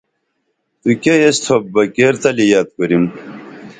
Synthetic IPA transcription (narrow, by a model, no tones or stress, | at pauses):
t̪ukejest̪ʰobbɐkeɾt̪ɐlijad̪̚kuɾim